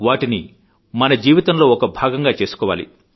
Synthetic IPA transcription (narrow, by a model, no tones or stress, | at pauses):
ʋaːʈini | mɐnɐd͡ʒiːʋit̪ɐmlo̞ːɔkɐbʱaːɡɐŋɡaːt͡ʃe̞ːsu̥kɔːʋa̰ːlḭ